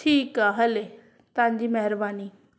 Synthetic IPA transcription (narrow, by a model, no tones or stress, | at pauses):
tʰiːkaɦɐle | t̪ɐãːɲd͡ʑiːmɐɦɪɾbaːniː